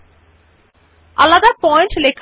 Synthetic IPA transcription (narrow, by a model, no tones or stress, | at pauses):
alːad̪aɾpɔjeɳʈlekʰ